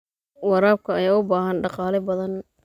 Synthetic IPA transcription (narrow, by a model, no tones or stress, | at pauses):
wɑɾaːb̚kʰɐɐjaːʊbaːɦɐnɖɑqɑːlɛbɐðɐn